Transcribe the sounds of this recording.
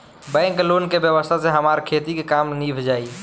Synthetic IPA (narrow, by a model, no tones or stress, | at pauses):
bɛ̃ːŋkloːnkebjəʋəst̪ʰaseɦəmaːɾkʰeːt̪ikekaːmniːbʱd͡ʒaːi